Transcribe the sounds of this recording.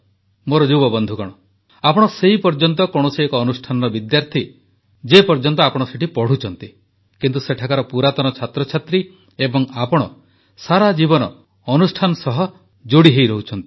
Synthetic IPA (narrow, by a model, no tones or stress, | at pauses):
moɾɔd͡ʒuwbɔbɔnd̪ʱukɔɽ̃ɔ | apɔɽ̃ɔseɦipɔɾd͡ʒɔnt̪̬ɔkɔɽ̃osiekɔːnusʈʰanɔɾɔbid̪jaɾt̪ʰi | d͡ʒepɔɾd͡ʒɔnt̪ɔapɔɽ̃ɔseʈipɔɽ̤ut͡ʃʰɔnt̪i | kint̪useʈʰakaɾɔpuɾat̪ɔnɔt͡ʃʰat̪ɾɔt͡ʃʰat̪ɾi | ebɔŋapɔɽ̃ɔ̰ | saɾad͡ʒibɔnɔː | nusʈʰanɔsɔɦɔ | d͡ʒoɽiɦejɾɔɦut͡ʃʰɔnt̪i̥